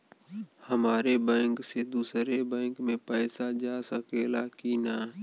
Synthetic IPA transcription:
həmaːɾeːbɛ̃ːŋkseːd̪uːsɾeːbɛ̃ːŋkmẽːpəːsad͡ʒaːsəkeːlaːkiːnaː

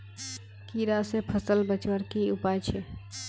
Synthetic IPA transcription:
kiɾasepʰəsəlbət͡ʃwəɾkiʊpaːjt͡ʃʰe

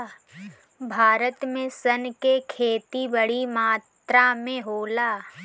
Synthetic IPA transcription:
bʱaːɾət̪mẽsənkekʰeːt̪ibɐɽimaːt̪ɾamẽɦoːlaː

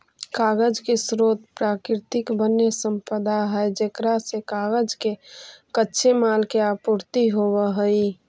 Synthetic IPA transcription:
kaɡəd͡ʒkesɾot̪̚pɾakɾɪt̪ɪkbənːesəmpəd̪aɦəjd͡ʒekɾasekaɡəd͡ʒkekətːʃʰemalkeapuɾt̪iɦobəɦəi

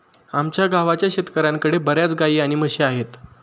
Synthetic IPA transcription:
amt͡ɕjaɡaʋat͡ɕjaɕet̪kəɾãŋkəɽebəɾjat͡sɡaiːaɽ̃iməɕeaɦet̪

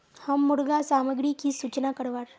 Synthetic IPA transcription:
həmːuɽɡasaməɡɾiːkiːsut͡ɕnakəɾʋaɾ

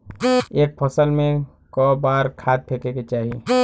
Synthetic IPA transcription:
eːk̚pʰɔsəlmẽ | kɔːbaːɾkʰaːt̪̚pʰeːkeket͡ʃaːɦie

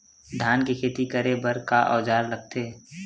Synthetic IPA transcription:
d̪ʱaːnkekʰeːt̪ikəɾebəɾkaʔɔ̰ːd͡ʒaːɾɾək̚t̪eː

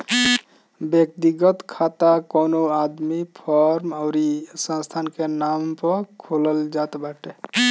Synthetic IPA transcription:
bjək̚t̪iɡət̪kʰat̪akonoad̪mipʰɔɾmaʊɾisə̃nst̪ʰankenampəkʰoləld͡ʒat̪baʈe

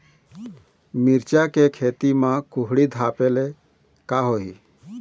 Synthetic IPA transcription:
mɪɾt͡ʃakekʰeːt̪imãkʊɦɽid̪ʱaːpele | kaɦoɦi

